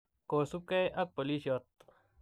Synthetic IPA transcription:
koːsup̚kɐjʔɐk̚pɐliɕot̪̚

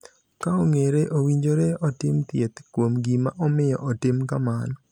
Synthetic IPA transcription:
kaɔŋeɾeʔowiɲd͡ʒoɾeɔtɪmt̪jet̪kwomɡimaʔɔmɪjɔ̰ʔɔtɪmkamanɔ

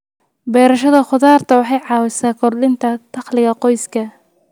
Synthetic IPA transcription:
bɛːɾɐʃɐðɐχʊðaːrt̪ʰɐwɑħɑjʕɑːwɪsaːkʰɔrlɪnt̪ʰɐt̪ʰɑχlɪɣɐqɔjskʰɐ

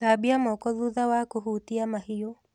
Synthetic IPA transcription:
abiamɔkɔðuðawakoɦutiamahijɔ

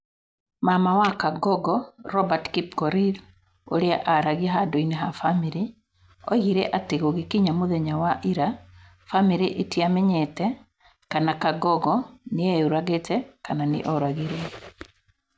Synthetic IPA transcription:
mamawakaɡɔɡɔɾɔbatkip̚kɔɾil | o̰ɾeaʔaɾaɣiaɦadoineɦafamiɾi | ɔ̰ɣiɾeʔateɣoɣikiɲamoðɛɲawaʔiɾa | famiɾiʔetiamɛɲɛtɛ | kanakaɡɔɡɔneeuɾaɣetɛkananḛʔɔɾaɣiɾɛ

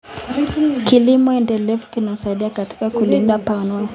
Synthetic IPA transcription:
kilimɔɛndɛlɛvukinasaiɗiakati̥kakulindapanɔn

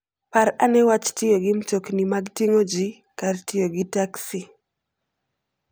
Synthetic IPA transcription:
paɾanɛwat͡ʃtɪjoɡɪmt͡ʃoknimaɡtiŋod͡ʒi | kartɪjoɡɪtaksi

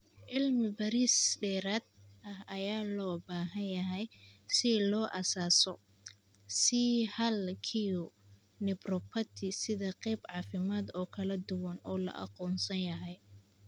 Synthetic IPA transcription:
ʔɪlmɪbɐɾisɖɛːɾaːd̪̚ɐhɐjaːlɔːbaːɦɐnjɐɦɛjsɪlɔːʔɐsaːsɔ | sɪhɐlkʰijʊ | nɪbrɔpʰɐt̪ʰɪsɪðɐqɛjbʕɑːfɪmaːd̪ɔːkʰɐlɐd̪ʊwɐnɔːlɐ̰ʔɑ̰qɔːnsɐnjɐɦɛj

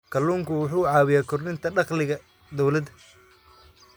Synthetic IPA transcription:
kʰɐlːuːŋkʰʊwʊħuːʕɑːβɪjaːkʰʊrnɪnt̪ʰɐɖɑqlɪɣɐ | d̪ɔwlɐd̪ɐ

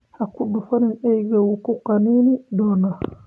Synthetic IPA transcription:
hakuɗufaninɛjɡawukukaninidɔna

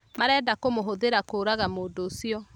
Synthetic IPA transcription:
maɾɛːdakomoɦoðeɾakoːɾaɣamoːndoːsiɔ

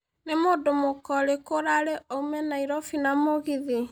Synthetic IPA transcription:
nemoːdomokɔɾekoɾaɾeoumɛnaiɾɔfinamoɣiði

